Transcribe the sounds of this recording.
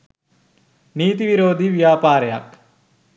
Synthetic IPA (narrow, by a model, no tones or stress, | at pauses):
niːt̪iʋiɾoːd̪ʱiʋjaːpaːɾəja̰k